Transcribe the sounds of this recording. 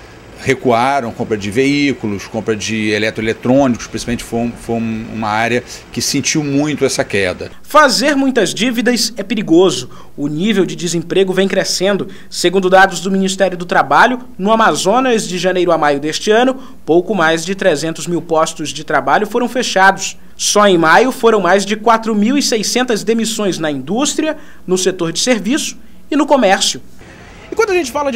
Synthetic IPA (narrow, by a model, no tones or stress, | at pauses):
hekuaɾɐ̃w̃kõmpɾɐd͡ʒɪveikulʊskõmpɾɐd͡ʒɪelɛt̪ɾʊelet̪ɾõnikʊspɾĩsi̥ãmẽt͡ʃɪ̥fojũfojũṵ̃mɐaɾjɐkɪsẽnt͡ʃiwmũj̃t̪ʊɛsɐkɛd̪ɐ̰ | fazeɾmũj̃t̪ɐzd͡ʒivid̪ɐsɛpeɾiɡozʊ | ʊnivewd͡ʒɪd͡ʒɪzẽpɾeɡʊvẽj̃kɾesẽnd̪ʊ | seɡũnd̪ʊd̪ad̪ʊzd̪ʊminist̪ɛɾjʊd̪ʊt̪ɾabaʎʊ | nʊamazõnɐzd͡ʒɪʒɐnejɾʊamajʊd̪est͡ʃɪɐ̃nʊ | powkʊmajzd͡ʒɪt̪ɾezẽnt̪ʊzmiwpɔst̪ʊzd͡ʒɪt̪ɾabaʎʊfoɾɐ̃w̃feʃad̪ʊsː | ɔẽj̃majʊfoɾɐ̃w̃majzd͡ʒɪkwat̪ɾʊmiwisejsẽnt̪ɐzd̪emisõj̃znɐĩnd̪ust̪ɾiɐ | nʊset̪oɾd͡ʒɪseɾvisʊ̥ | ɪnʊkomɛɾsjʊ | ɪkwɐ̃nd̪ʊaʒẽt͡ʃɪfalɐ